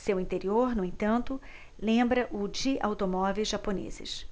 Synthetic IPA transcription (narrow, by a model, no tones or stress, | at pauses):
sewĩnt̪eɾioɾnʊ̃ẽt̪ɐ̃nt̪ʊ | lẽmbɾɐʔʊd͡ʒɪʔawt̪omɔvejzʒaponḛzɪ̰s